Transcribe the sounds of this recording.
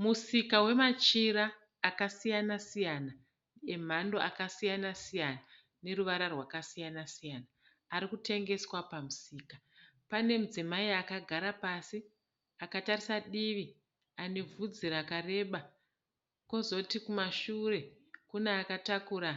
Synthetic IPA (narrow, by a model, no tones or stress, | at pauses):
musikawe̞mat͡ʃiɾaː | kasijanasijana | e̞m̤ando̞ʔakasijanasijana | ne̞ɾuʋaɾarwakasijanasijaːnaː | ɾikute̞ŋɡe̞swapamusiːka | pane̞mud͡zimaiakaɡʱaɾapasi | akatarisaɗiʋi | anevʱud͡ziɾakare̞ɓa | ko̞zo̞tikumaʃure̞ | kuneakatakuːɾa